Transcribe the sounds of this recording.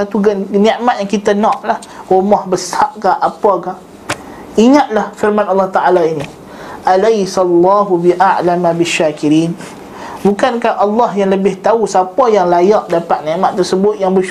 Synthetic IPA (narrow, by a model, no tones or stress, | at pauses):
at̪uɡnɛʔmat̪̚jaŋkit̪anɔ̃ʔlah | womɔhbəsaʔkaʔapakaʔ | iŋat̪̚lahfɪrmãnɑlːɑht̪aʔalaini | ʔalajsalːɑːɦubiʔaʔlamabɪʃːaːkiɾiːn | bukankahʔɑlːɔhjaŋləbɪht̪ausapajaŋlajaʔdapat̪̚nẽʔmaʔ̪̚ərsəbʊt̪̚jaŋbə